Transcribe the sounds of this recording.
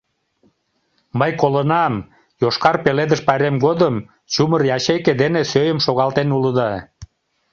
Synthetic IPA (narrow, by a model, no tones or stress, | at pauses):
məjkolənɑm | joʃkɑrpeled̪əʃpɑjɾemɡod̪əm | t͡ɕumərjɑɕejked̪enesøjəmʃoɣɑlt̪enuləd̪ɑ